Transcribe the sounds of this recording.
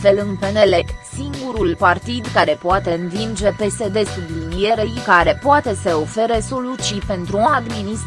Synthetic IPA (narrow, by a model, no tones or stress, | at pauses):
fe̞lɨnpe̞ne̞le̞siŋɡuɾulpart̪id̪kaɾe̞poat̪e̞ɨnvind͡ʒe̞pe̞se̞d̪e̞sublinije̞ɾejkaɾe̞poat̪e̞seo̞fe̞ɾeso̞lut͡ʃipe̞nt̪ɾuad̪minis